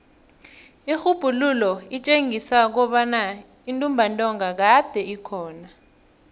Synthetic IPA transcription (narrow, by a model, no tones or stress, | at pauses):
ixub̥ʱululɔit͡ʃʼeŋʱisak̬ɔɓana | intʼumbʱantʼɔŋak̬ad̥ʱɛikʰɔːna